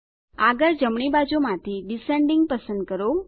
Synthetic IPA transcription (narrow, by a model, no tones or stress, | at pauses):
aɡəɾd͡ʒəmɳ̃ibad͡ʒomãt̪ʰiɖiseɳɖiŋɡ̚pəsə̃nd̪̚kəɾo